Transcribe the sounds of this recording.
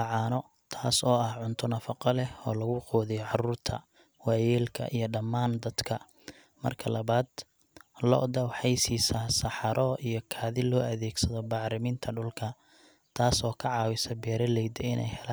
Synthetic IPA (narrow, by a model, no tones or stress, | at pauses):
ɑʕɑːnɔ | t̪ʰaːsɔːɐhʕʊnt̪ʰɔnɐfɑqɑlɛɔːlɐɣʊqɔːðɛjɔʕɑruːrt̪ʰɐ̰ | wɑjɛːlkʰɐ̰ʔḭjɞɖɐmːaːnd̪ɐd̪̥kʰɐ | mɐ̰rkʰɐlɐβaːd̪ | lɔ̰d̪ɐwħɑjsiːsɐsɑħɑɾʔɔʔijɞkʰaːðɪlɔːɐðɛːɡsɐðɔbɑʕɾɪmɪnt̪ʰɐɖʊlkʰɐ | t̪ʰaːsɔːkʰɐʕɑːwɪsɐbɛːɾɛlɛjd̪ɛɪnɛ̰jhɛlaː